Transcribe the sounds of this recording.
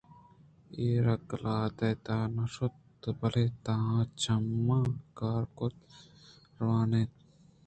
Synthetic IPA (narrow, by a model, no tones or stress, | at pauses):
eːɾɐklaːd̪ɐt̪aːnɐʃot̪ | bɐleːt̪ɐɦãːt͡ʃʰɐmːãːkaːɾkot̪ | ɾʋaːneːt̪